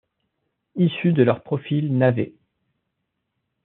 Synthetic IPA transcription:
isyd̪əlœʁpχɔfilnavḛ

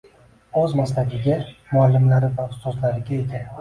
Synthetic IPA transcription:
ɵzmaslaɡʲɪɡʲamʊalːɪmlaɾɪvaʊst̪ɒzlaɾɪɡʲaed̪ɪ

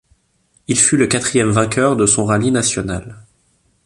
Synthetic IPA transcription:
ilfyləkat̪χijɛmvɛ̃kʲœʁd̪əsɔ̃ʁalinasjɔnal

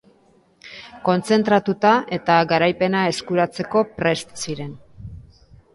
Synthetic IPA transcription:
ko̞nt͡se̞nt̪ɾat̪ut̪ae̞t̪aɡaɾajpe̞nae̞skuɾat͡se̞ko̞pɾe̞st̪siɾe̞n

